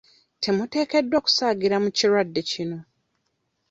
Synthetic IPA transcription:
tʰe̞mute̞ːke̞dːwoku̥saːɡiɾamuciɾwadːe̞cino̞

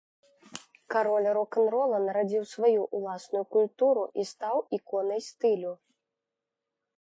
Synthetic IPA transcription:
kaɾɔlʲɾɔkɛnɾɔlˠɐnɾad͡zʲiwsvajuʔulˠasnujukulʲt̪uɾuʔist̪awikɔnɐjst̪ɨlʲu

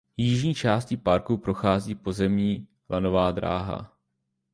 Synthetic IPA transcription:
jɪʒɲiːt͡ʃaːscɪpaɾkupɾo̞xaːziːpo̞zɛmɲiː | lʔano̞vaːd̪ɾa̰ːɦa̰

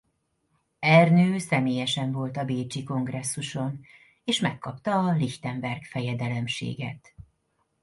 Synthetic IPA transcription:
ɛrnøːsɛmeːjɛʃɛɱvo̞lt̪ɒbeːt͡ʃiko̞ŋɡrɛsːuʃo̞n | eːʃmɛkːɒpt̪ɒːliçt̪ɛɱbɛrkfɛjɛd̪ɛlɛmʃḛːɡɛ̰t̪

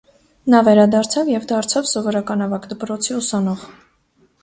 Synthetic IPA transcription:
nɑvɛɾɑd̪ɑɾt͡sʰɑvjɛvd̪ɑɾt͡sʰɑvsɔvɔɾɑkɑnɑvɑkd̪əpɾɔt͡sʰiusɑnɔʁ

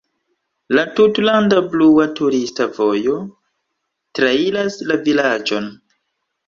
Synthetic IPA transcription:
latutlandabluatuɾistavo̞jo̞ | tɾailaslavilad͡ʒo̞n

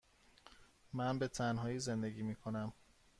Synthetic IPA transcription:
mænbe̞t̪ʰænɦɒːjiːze̞nd̪e̞ɟiːmiːkʰo̞næm

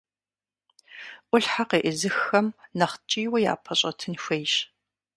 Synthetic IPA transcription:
ʔʷʊɬħaqeːʔəzɨxːɐmnɐχt͡ʃʼiːwɐja̰ːpʰɐɕʼɐtʰɨnxʷejɕ

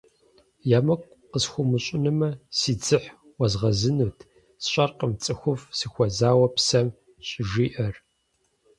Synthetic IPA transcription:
jaːmɐkʷʼ | qəsxʷʊmɨɕʼɪnɨmɐsiːd͡zɨħ | wɐzʁɐzɨnuːtʰ | sɕʼɐrqəmt͡sʼɨxʷʊfsɨxʷɔzaːwɐpsɐm | ɕʼɪʒiːʔɐr

